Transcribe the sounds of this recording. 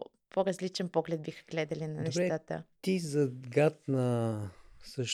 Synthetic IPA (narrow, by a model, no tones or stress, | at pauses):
pʰoɾɐzlit͡ʃɛnpɔɡlɛd̪̚bixə̥ɡlɛd̪ɐlinɐnɛʃtɛat̪ət̪izɐɡat̪̚nɐ | səʃ